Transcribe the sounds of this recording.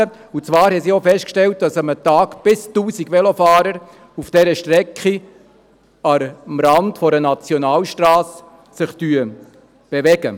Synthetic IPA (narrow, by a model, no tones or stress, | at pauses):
ə | ut͡sʋɑːɾhɛsiofɛst̚kʃtɛlt̚d̥ɑsəmətɑːɡb̥ɪstuːsiɡʋɛlofɑːɾəɾ | ufd̥ɛɾəʃtɾɛkχi | ɑmɾɑndfɔɾənɑt͡sjɔnɑːlʃtɾɑːs | sɪχtyə | b̥eʋɛɡə